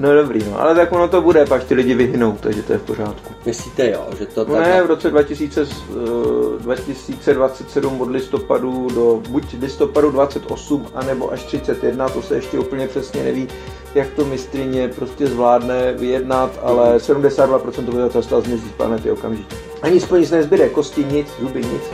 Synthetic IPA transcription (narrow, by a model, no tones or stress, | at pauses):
noɛdo̞bɾiːno̰ʔa̰lɛt̪akonot̪o̞budɛpat͡ʃt̪ɪlɪɟɪvɪɦɪno̞wt̪aɡʒɛt̪o̞jɛfpo̞ɾ̝aːt̪kumɪsliːt̪ɛjo̰ʒɛt̪oonɛjɛvɾo̞t͡sɛdvacɪsiːt͡sɛ | dvacɪsiːt͡sɛdvat͡sɛt̪sɛdumodlɪst̪opadudobucvlɪst̪o̞padudvat͡sɛt̪ʔo̞̰sumʔanɛbo̞̰ʔaʃt̪r̝̥ɪt͡sɛt̪jɛdnat̪o̞sɛɛʃcɛʔupl̩ɲɛpr̝̥ɛsɲɛnɛ̰viː | jakt̪o̞mɪst̪ɾɪɲɛpɾo̞scɛzvlaːdnɛvɪjɛdnat̪a̰lɛsɛdumdɛsaːd̪vapɾot͡sɛnt̪obɪzat͡sast̪azmɲɛziːspla̰nɛt̪ɪo̞kamʒɪkɪ | ʔaɲɪspɾoɲɪt͡snɛzbɪɾɛko̞scɪɲɪt͡szubɪɲɪ̰t͡s